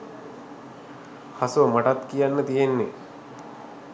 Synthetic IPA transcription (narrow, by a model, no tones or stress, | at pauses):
hasumaʈat̪kijanːət̪ijenːe